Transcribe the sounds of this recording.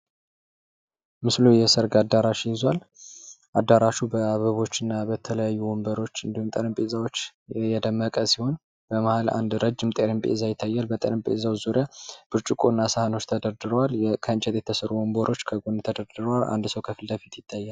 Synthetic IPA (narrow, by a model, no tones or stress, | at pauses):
mɨslujɛsəɾɡad̪aɾaʃjɪzwal | ʔad̪ːaɾaʃubəaβəβo̞t͡ʃːɨnːabət̪ʰələjajːuwombəɾo̞t͡ʃːɨnd̪ihumt̪ʼəɾɨmpʼezawo̞t͡ʃːjɛd̪əmːəkʼəsiho̞n | b̥əmahala̰nd̪ɾəd͡ʒːɪmt̪ʼeɾɨmpʼḛzajɪt̪ʰːajːalbət̪ʼə̰ɾɨmpʼḛzawzuɾjab̥ɨɾt͡ʃʼukʼonːasəhano̞t͡ʃːt̪ʰəd̪əɾd̪ɨɾəwaljkʰənt͡ʃʼɛd̪jɛt̪ʰəsəɾuomboɾʔo̞t͡ʃːkʰəɡont̪ʰəd̪əɾd̪ɨɾəwala̰nd̪səwkʰəfɨld̪əfit̪jɪt̪ʰːajːal